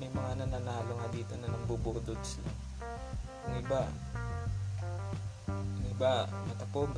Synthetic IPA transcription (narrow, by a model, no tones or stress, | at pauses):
mɐjmɐŋanɐnanaːloŋɐd̪iːt̪onɐnɐŋbuboːd̪od̪slaŋ | nɪba | nɪbamɐt̪ɐpoɡ